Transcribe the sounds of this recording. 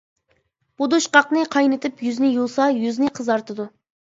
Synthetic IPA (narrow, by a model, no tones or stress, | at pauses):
b̥ud̪uʃqɑqnɨqʰɑjnɨt̪ʰɪpjyznɪjulˠsɑjyznɪqʰəzɑɾt̪ʰɨd̪u